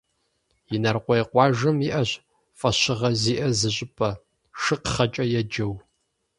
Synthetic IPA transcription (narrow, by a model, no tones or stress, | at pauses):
jɪnɐrqʷɔjɛqʷɑːʒɐmiʔɐɕ | fʼɐɕɪʁɐziːʔɐzɨɕʼɪpʰʼɐ | ʂɨqχɐt͡ʃʼɐjɛd͡ʒɐw